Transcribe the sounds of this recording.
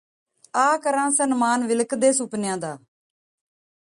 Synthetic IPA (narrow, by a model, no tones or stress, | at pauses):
aːkəɾãːsənmaːnʋɪləkd̪eːsʊpnɪjãːd̪aː